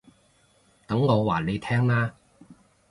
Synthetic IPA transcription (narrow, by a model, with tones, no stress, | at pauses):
t̪ɐ˨˥ŋŋɔː˨˧waː˨˩le˨˧jt̪ʰɛː˥ŋnaː˥